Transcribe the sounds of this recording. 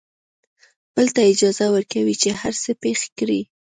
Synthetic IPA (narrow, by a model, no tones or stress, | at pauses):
b̥əlt̪aɪd͡ʒɑzawəɾkawit͡ʃehaɾsəpexe̥kɾi